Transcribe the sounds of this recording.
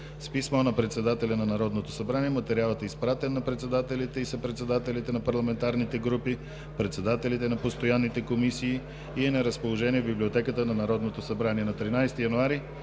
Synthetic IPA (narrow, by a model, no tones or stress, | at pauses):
spismɔnɐpɾɛt̪sɛd̪at̪ɛlʲɐnɐnɐɾɔd̪not̪osɐbɾaniɛmɐt̪ɛɾialˠət̪ɛispɾat̪ɛnːɐpɾɛt̪sɛd̪at̪ɛlit̪ɛisɐpɾɛt̪sɛd̪at̪ɛlit̪ɛnɐpɐɾlˠɐmɛnt̪aɾnit̪ɛɡɾupi | pɾɛt̪sɛd̪at̪ɛlit̪ɛnɐpost̪ojanːit̪ɛkomisiː | iɛnɐɾəspolˠoʒɛniɛvbiblʲiot̪ɛkət̪ənɐnɐɾɔd̪not̪osɐbɾaniɛnɐt̪ɾinajst̪ijɐnoaɾi